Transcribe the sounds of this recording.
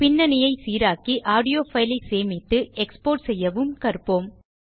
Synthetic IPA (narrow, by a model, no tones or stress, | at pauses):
pɪnːɐnɪjɐɪsiːɾaːkiʔaːɽɪjoːfɐɪlɐɪseːmɪt̪ːɯɛkspoːʈsɛjːɐʋɯmkɐrpoːm